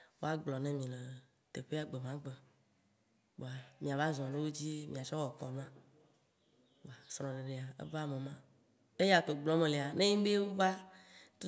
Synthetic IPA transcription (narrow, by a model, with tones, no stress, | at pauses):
wo̰˦a˦ɡ͡blɔ˨nɛ̃˦mĩ˨le˨ | t̪e˨ɸe˦a˨ɡ͡be˨mã˦ɡ͡be˨ | k͡po˨a˨mĩ˨a˨va˦zɔ̃˨nẽ˦wo˦d͡ʑi˦mʔĩ˨a˨t͡ʃɔ˦wɔ˨kɔ˨nũ˦ã˦ | o˨a˨sɾ̃ɔ̃˨ɖe˨ɖe˨a˨ḛ˦va˦mẽ˨mã˦ | e˦ja˨t̪o˨ɡ͡blɔ˨˦mẽ˨le˨a˨nẽ˦jĩ˦be˦wo˦va˦t̪u˦